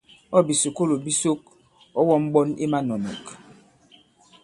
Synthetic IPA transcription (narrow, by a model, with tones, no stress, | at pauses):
ɔ˦˨bi˨su˨ko˦lo˨bi˦so˦k̚ | ɔ˦wɔ˦m̩˦bɔ˦nḭ˦ma˦nɔ˨nɔ̰˨k